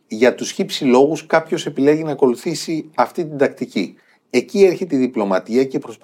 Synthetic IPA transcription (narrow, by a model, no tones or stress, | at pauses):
ʝɐt̪usçipsilo̞ɣuskɐpço̞se̞pile̞ʝinɐːko̞luθisiɐft̪it̪ind̪ɐkt̪ici | e̞cie̞ɾçet̪iðiplo̞mɐt̪iɐce̞pɾo̞s